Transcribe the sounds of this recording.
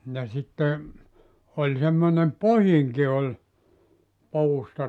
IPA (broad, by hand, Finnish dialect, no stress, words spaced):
jɑ sitːe olʲ semːonem pohiŋki olʲ puːstɑ